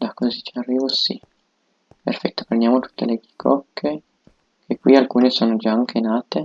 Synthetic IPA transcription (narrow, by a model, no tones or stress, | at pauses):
d̪akːozit͡ʃearːiːvosi | pḛrfɛt̪ːo̥pɾend̪jaːmot̪u̥t̪ːeleɡi̥kʰɔkʰːe | kʰekːwialkuːnesoːnod͡ʒaaŋkʰenaːt̪e